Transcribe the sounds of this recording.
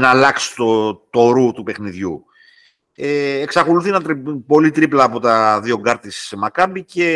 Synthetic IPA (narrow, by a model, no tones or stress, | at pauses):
nɐːlɐksi̥t̪ot̪oɾut̪upe̞xniðʝṵ | eːksɐko̞luθinɐt̪ɾpo̞lit̪ɾiplɐːpo̞t̪ɐðio̞ɡɐɾt̪ismɐkɐmbice̞